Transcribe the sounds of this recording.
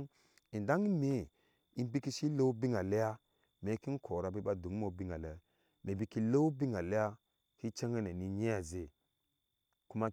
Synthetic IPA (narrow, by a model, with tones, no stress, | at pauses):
i˨nda˦ŋi˦me˨ | i˦n˦bi˦ki˦si˦lo˦bi˦ŋa˨le˦ja˦ | me˨˦ki˦n˦kʰo˨ɾa˨bi˦ɓa˦du˨ŋ˦mo˨bi˦ŋa˨le˨ | me˨bi˦ki˦lo˦bi˦ŋa˨le˦ja˦ | hi˦t͡ʃa˦ŋa˦ne˨ni˨ɲe˦ja˨ze˨ | ku˦ma˦